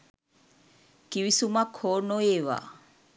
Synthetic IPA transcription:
kiʋisumakhoːnoeːʋa̰ː

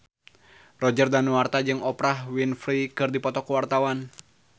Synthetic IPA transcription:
rɔd͡ʒərdanuart̪ad͡ʒɨŋɔpɾaɦwinfɾikɨrdipɔt̪ɔkuwart̪awan

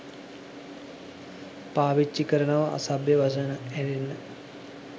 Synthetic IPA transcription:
paːʋit͡ʃːikɐɾɐɳɐʋɐʔɐ̰sɐbʱjɐʋɐsɐnɐeɾinːɨ

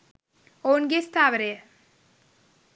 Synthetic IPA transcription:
onɡest̪aʋəɾe

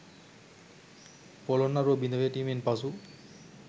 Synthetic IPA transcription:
pɔlɔnːaɾobinɔbeʈimenpasu

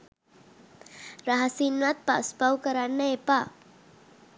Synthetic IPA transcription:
ɾaɦasinwat̪̚pa̰ʔspawkəɾanːəepa

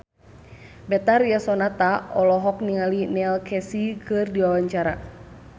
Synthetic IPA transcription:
bɛt̪arjasɔnat̪aɔlɔɦɔkniŋalinɛlkʰɛsikɨrdiwawaɲt͡ʃaɾa

